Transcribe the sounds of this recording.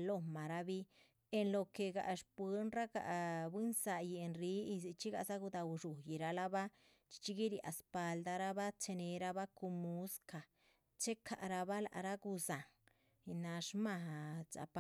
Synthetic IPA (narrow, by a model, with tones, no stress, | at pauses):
lo˦˧˨ma˨ɾa˧βi˦ | e˧nlo˧ke˧ɡa̰˧ʔʂpɨ˧˦nɾa˦ɡa̰˨ʔbi˦nsa˧ji˧˨e˧nri˦i˧t͡ʃi˦ɡa˧sa˦ɡu˧d̪a˧u˧ʐu˨ji˨ɾa˧la˦βa˦ | t͡ʃi̥˧t͡ʃi˦ɡi˦ɾi˧ʔa̰˧spa˧ld̪a˧ɾa˦βa˦t͡ʃe˧ne˧ɾa˧βa˦ku˧mu˧˦ska˨ | t͡ʃe˦kʰa˧˨ʔɾa˧βa˦la̰˨ʔɾa˦ɡu˧sa˨ŋ | i˧na˧ʂma˧ɦa˨t͡sa̰˨˧pa˧